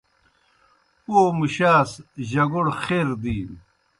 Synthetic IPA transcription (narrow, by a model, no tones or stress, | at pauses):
oːmuɕaːsʑɐɡuɽxeːɾd̪iː